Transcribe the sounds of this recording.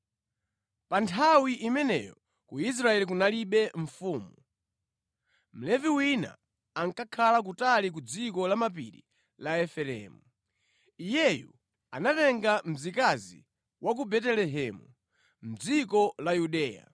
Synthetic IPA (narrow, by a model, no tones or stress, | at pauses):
pantʰawiʔimɛnɛ̰jɔ | kuis̬ɾaɛlik̬unaliɓɛɱ̩fuːmu | m̩lɛviwina̰ | aŋkakʰalak̬utalik̬ud͡zikɔlamap̬iɾḭ | laɛfɛlɛ̰ːmu | ijɛjṵ | a̰natɛŋɡam̩zikazḭ | wʔak̬ubɛtɛlɛɦɛmu | m̩d͡zikɔlajuɗɛːja̰